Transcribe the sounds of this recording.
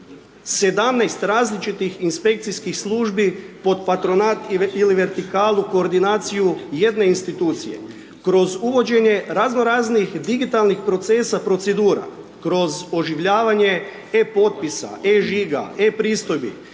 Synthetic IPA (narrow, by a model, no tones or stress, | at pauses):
se̞d̪amnajst̪ɾaːzlit͡ʃit̪ixinspe̞k̚t̪sijskixslˠuːʒbipo̞d̪pat̪ɾo̞nat̪iliʋeɾt̪ikaːlˠuko̞ːɾd̪inaːt̪sijuje̞d̪ne̞inst̪it̪uːt̪sḭjḛ | kɾo̞zuʋo̞d͡ʒe̞ɲe̞ɾazno̞ɾaːznixd̪iɡit̪alˠnixpɾo̞t̪se̞ːsapɾo̞t̪se̞d̪uːɾa̰ | kɾo̞zo̞ʒiʋʎaːʋaɲe̞ | epo̞t̪̚pisa̰eʒiɡa̰epɾiːst̪o̞jbḭ